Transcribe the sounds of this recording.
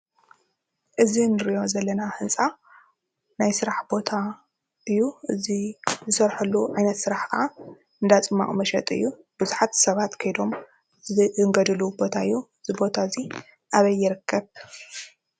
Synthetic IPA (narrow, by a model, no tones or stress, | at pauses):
ʔɨzinɨɾijo̞zɐlːɐnahɨnsʼa | najsɨɾaħbo̞t̪ʰa | ʔɨjːuʔɨzizɨsɐɾħulːuʕajnɐt̪sɨɾaħxʕa | ɨnd̪at͡sʼɨmːa̰χʼmɐʃɐ̰t̪ʼɨ̰jːu | b̥ɨzuħat̪sɐβat̪kʰɐjd̪o̞m | zɨʔɨŋɡɐd̪ɨlubo̞t̪ʰaɨjːuɨzibo̞t̪ʰaɨzi | ʔaβɐjːɪɾɨkʰːɐβ